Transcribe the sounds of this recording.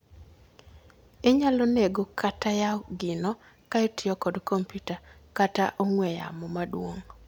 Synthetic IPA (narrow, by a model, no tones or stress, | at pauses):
ɪɲaloneɡokatajaɡɪnɔ | kaetɪɔkɔdkomputakataʔoŋwɛja̰mɔmadwoŋ